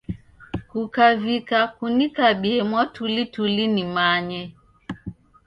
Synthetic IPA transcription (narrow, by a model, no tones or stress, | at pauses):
kukavikakunikaɓiɛmwatulitulinimaɲɛ